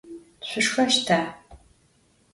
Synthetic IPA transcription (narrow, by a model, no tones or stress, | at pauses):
ɕʷʊʂxɐʃtʰaː